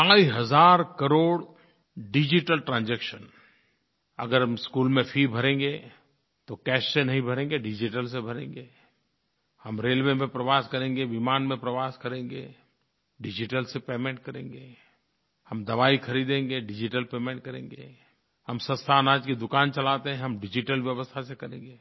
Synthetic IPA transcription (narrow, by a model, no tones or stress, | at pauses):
aːiɦɐzaːɾkɐɾoːɽ | ɖɪd͡ʒiʈəlʈɾãːnd͡ʒɛːkʃən | ɐ̰ɡəɾɦɐmskuːlmẽfʰibʱɐɾẽːŋɡe | t̪okɛːʃsenɐɦĩbʱɐɾẽːŋɡeɖɪd͡ʒiʈəls̬ebʱɐɾḛ̃ːŋɡeː | hɐmɾeːlʋemẽpɾɐʋaːskəɾẽːŋɡeʋɪmaːnmẽpɾɐʋaːskəɾẽːŋɡḛː | ɖɪd͡ʒɪʈəlsepeːmẽɳʈ̚kəɾẽːŋɡeː | hɐmd̪ɐʋaːikʰɐɾiːd̪ẽːŋɡeɖɪd͡ʒiʈəlpeːmẽːɳʈ̚kəɾḛ̃ːŋɡḛ | hɐmsə̃nst̪ʰaːnaːd͡ʒkid̪ʊkaːnt͡ʃɐlaːt̪eɦɛ̃ɦɐmɖɪd͡ʒɪʈəlʋjəʋəst̪ʰasekɐɾẽːŋɡeː